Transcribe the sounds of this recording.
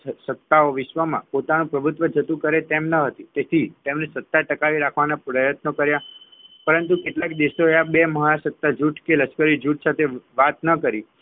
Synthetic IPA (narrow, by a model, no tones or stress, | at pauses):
sət̪ːaoʋɪʃʋəmã̰pot̪anũpɾəbʱut̪ʋəd͡ʒət̪ũkəɾet̪emnəɦət̪it̪et̪ʰit̪emnesət̪ːaʈəkaʋiɾakʰʋanapɾəjət̪nokəɾjapəɾənt̪ukeʈlakd̪iʃoeabeməɦəasət̪ːad͡ʒuʈʰkeləskəɾid͡ʒuʈ̚ʰsat̪ʰeʋat̪nəkəɾi